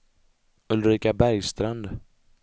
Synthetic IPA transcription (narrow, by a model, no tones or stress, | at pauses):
ɵlɾiːkabæɾjst̪ɾand̪